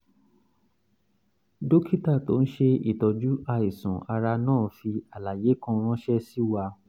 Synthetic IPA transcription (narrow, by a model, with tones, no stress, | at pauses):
do˦ki˦ta˦˨to˨˦n̩˦ʃe˧ḭ˨tɔ˨d͡ʒu˦a˧i˨sɔ̃˨a˧ɾa˧nãː˦˨fi˧a˨la˨je˨˦kɔ̃˧˦ɾ̃ɔ̃˦ʃɛ˦si˦wa˧